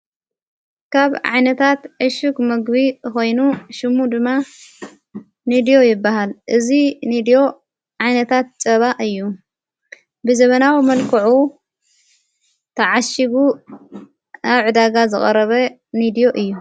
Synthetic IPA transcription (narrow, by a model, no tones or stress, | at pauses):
kʰaβʕa̰jnɐt̪ʰat̪ʕɨʃɨkmɐɡbiko̞jnuʃɨmud̪ɨmːa | nid̪ijo̞jɪbːahalʔɨzinid̪ijo̞ | ʕajnɐt̪ʰat̪̚t͡sʼɐβaʔɨjːu | bɨzɐβɐnawimɐlkʰɐʕu | t̪ʰɐʕaʃiβu | aβʕɨd̪aɡazɨχʼɐɾɐβɐ | nid̪ijo̞ʔɨjːu